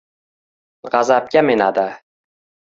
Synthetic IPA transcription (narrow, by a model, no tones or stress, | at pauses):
ʁɑzap̚kʲamenad̪a